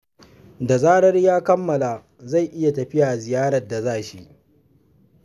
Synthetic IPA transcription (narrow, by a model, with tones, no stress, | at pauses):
da˨zaː˦ɽɐ˦rjaː˦kɐ˦mːɐ˨laː˨ | za˦˨jʔɪ˦ja˨tɐ˨ɸɪ˦ja˨zɪ˨jaː˦ɾɐ˨rda˨zaː˦ʃi˦ʔ